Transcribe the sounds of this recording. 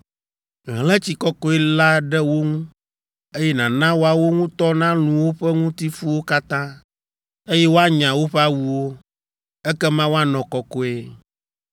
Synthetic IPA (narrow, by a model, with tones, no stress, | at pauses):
ɦlɛ˦t͡ɕi˨kɔ˦kɔ˦ɛ˦la˦ɖɛ˦wo˦ŋũ˦ | e˦jɛ˦nã˨nã˦wo˦a˨wo˦ŋũ˦t̪ɔ˦nã˦lũ˨wo˦ɸɛ˦ŋũ˦t̪i˦fu˦wo˦ka˦t̪ã˦ | e˦jɛ˦wo˦a˦ɲã˨wo˦ɸɛ˦a˦wu˨wo˦ | ɛ˦kɛ˦mã˦wo˦a˦nɔ̃˨kɔ˨kɔ˦e˦